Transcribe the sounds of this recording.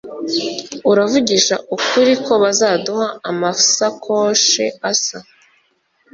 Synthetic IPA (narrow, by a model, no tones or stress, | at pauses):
uɾavuɟiʃa̰ʔukuɾikʰo̞βazaːduhaːmafu̥sakʰo̞ːʃe̞̰asa